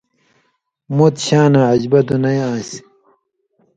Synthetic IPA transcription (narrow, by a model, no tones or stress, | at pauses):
mot̪ɕaːnaʕɐd͡ʑbɐt̪unɐjãːs